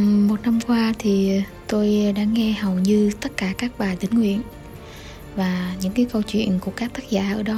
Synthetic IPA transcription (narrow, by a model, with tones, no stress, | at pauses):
mo˨˩t̚na˧mkwaː˧t̪ʰi˨˩ | t̪o˧jɗa̰ː˧˥ŋɛ˧hə˨˩wɲɨ˧t̪ə˦˥t̚kaː˧˩kaː˦˥k̚ɓaː˨˩jt̪ï˨˦ŋ̟ŋwḭ˧˨ən | vaː˨˩ɲɨ̰˧˥ŋkaː˨˦jkə˧wt͡ɕwḭ˧˨ənku˧˩əkaː˦˥k̚t̪ə˦˥k̚za̰ː˧˩ʔəː˧˩ɗɔ˨˦